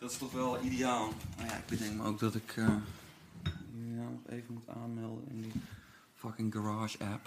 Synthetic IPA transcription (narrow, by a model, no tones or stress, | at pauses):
d̥ɔtɪ̥stɔxʋɛlˠideaːlˠmaja̰ɪɡ̚bətɪŋkməowk̚dɔtɪkʰə | ijaːlˠnɔxḛːvənmutʰa̰ːnmɛlˠdə̰nɪ̰ndi | fakɪŋɡaraːʃɛp